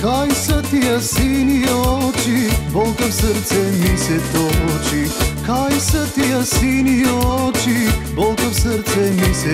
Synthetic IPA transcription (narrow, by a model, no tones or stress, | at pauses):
kajsat̪ijasiniot͡ʃibolˠkəfsəɾt̪sɛmisɛt̪ot͡ʃikajsɐt̪ijasiniot͡ʃibolˠkəfsəɾt̪sɛmisɛ